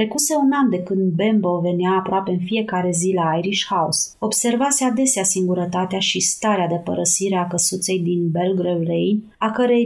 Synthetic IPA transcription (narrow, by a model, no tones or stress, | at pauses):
ɾe̞kuse̞unand̪e̞kɨnd̪be̞mbo̞ve̞niaːpɾoape̞ɨnfije̞kaɾe̞zilaajɾiʃhaṵs | o̞bse̞rvasead̪e̞seasiŋɡuɾət̪at̪eaʃist̪aɾead̪e̞pəɾəsiɾe̞akəsut̪se̞jd̪inbe̞lɡɾevlejn | akəɾej